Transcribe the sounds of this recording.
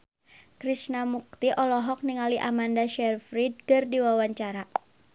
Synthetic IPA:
kɾisnamuk̚t̪iʔɔlɔɦɔk̚niŋaliʔamandaʃɛrfɾid̚kɨrdiwawaɲt͡ʃaɾa

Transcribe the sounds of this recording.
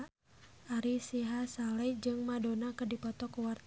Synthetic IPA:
aɾisiɦasalɛd͡ʒɨŋmadonakɨdipɔt̪ɔkuwart̪

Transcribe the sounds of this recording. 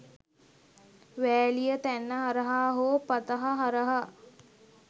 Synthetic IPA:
ʋæːlijət̪ænːəɦaɾəɦaːɦoːpɐt̪əɦaɦaɾəɦə

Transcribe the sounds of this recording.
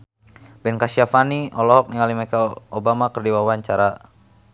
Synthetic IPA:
bɛnkaʃiafaniʔɔlɔɦɔk̚niŋalimakaobamakərdiwawaɲt͡ʃaɾa

